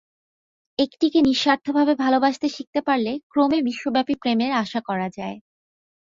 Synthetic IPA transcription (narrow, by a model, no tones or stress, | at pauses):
ekʈikeniʃːaɾt̪ʰːobʱabebʱalobaʃt̪eʃik̚t̪epaɾlekɾomebiʃːobɛpipɾemeɾaʃakɔɾad͡ʑae